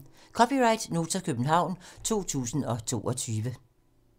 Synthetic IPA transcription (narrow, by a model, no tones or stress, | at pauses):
kʰɒ̽piʁɑ̈ɪd̥no̝ːt͡sʰɐkʰøb̥n̩ɦɑ̈ʊ̰nt͡sʰo̝̰ːt͡sʰṵːsn̩ɒ̽t͡sʰo̝̰ːʔɒ̽t͡sʰyːʋə